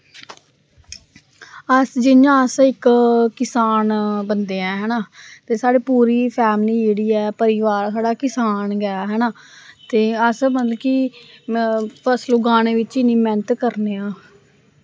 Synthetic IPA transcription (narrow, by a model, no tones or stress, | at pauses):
əsd͡ʒɪnãːəsɪkkɪsaːnbənd̪eːɛ̃ːɦɛːnaːt̪eːsaːɽeːpuːɾiːpʰɛːmliːd͡ʒeːɽiːɛːpəɾɪʋaːɾsaːɖaːkɪsaːnɡəjaːɦɛːnaː | t̪eːəsmət̪ləbki | pʰəslʊɡaːneːʋɪt͡ʃɪnːiːmɛ̃ːnət̪kəɾneːãː